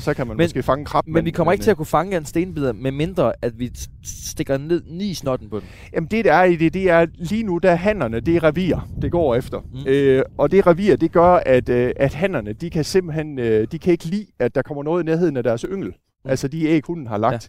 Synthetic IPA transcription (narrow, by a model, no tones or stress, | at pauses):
sɒ̽kʰæmænmɔsɡ̥e̝̰ːfɑ̈ŋəkʰʁɑ̈b̥menʋikʰɒ̽m̰ɐeɡ̥t͡sʰe̝æɐkufɑ̈ŋəæensd̥e̝ːnbið̰ˠɐmeme̝nd̥ʁɐʔæd̥ʋi | sd̥e̝ɡ̥ɐne̝ð̞̰ˠniːsnɒ̽d̥n̩pʰɒ̽dem | jæmn̩d̥e̝d̥ææɐid̥e̝d̥e̝æɐliːnud̥æɐɦæn̰ɐnəd̥e̝ʁɛʋḭːɐd̥e̝ɡ̥ɒ̰ːefd̥ɐøɒ̽d̥e̝ʁɛʋḭːɐd̥e̝ɡ̥ɶɐæd̥æd̥ɦæn̰ɐnəd̥ikʰæse̝mb̥l̩hen̰ød̥ikʰæe̝ɡ̥əlḭːæd̥ːɑ̈kʰɒ̽m̰ɐnɔ̽ːð̞̩ˠineɐɦe̝ðˠn̩æd̥æɐsøŋ̰l̩ | ʔælsəd̥ieːɡ̥hunn̩ɦɑ̈lɑ̈ɡd̥